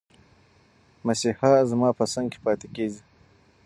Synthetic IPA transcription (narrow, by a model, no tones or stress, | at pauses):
masihɑzmɑpəsaŋɡke̥pɑt̪ekezi